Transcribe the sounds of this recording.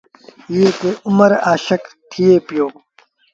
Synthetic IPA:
jeːt̪eumɐɾaːɕɐkt̪ʰijeːpijoː

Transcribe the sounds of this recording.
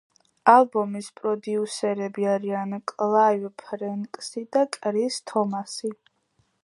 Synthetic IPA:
alˠbɔmispʼɾɔd̪iusɛɾɛbiaɾiankʼlˠaivpʰɾɛŋkʼsid̪akʼɾist̪ʰɔmasi

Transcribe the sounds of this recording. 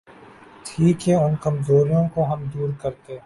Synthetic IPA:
ʈʰiːkɦɛʊnkɐmzoːɾijõkoɦɐmd̪uːɾkɐɾt̪e

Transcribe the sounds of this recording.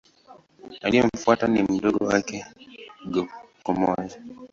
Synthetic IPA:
aliɔɱ̩fuatanim̩dɔɗɔwakɛɡɔkɔmɔja

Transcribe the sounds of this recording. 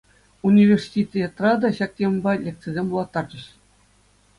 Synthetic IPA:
unʲivʲerʲsʲi̥tʲit̪ʲjet̪ːrɑd̪ɑɕɑk̚t̪ʲembɑlʲek̪̚t͡sĕzʲemʲbulˠɑt̪ːɑrd͡ʑɤ̆ɕ

